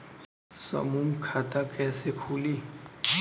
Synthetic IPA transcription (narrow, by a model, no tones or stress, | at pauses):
sə̰muːmkʰaːt̪akɛːsekʰuːliː